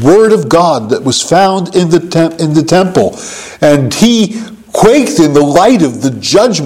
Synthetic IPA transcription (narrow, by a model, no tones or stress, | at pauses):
wɜ˞ɾʌvɡɑd̪̚ðɨʔ̚wʌz̥fãʊ̃ndɪ̃nðɨtʰɛ̃ɪ̃nðɨtʰɛ̃mpl̩ˠ | ɨ̃ni | kʰw̥eɪk̚tɨ̃nðəlaɪɾʌvðɨd͡ʒʌd͡ʒ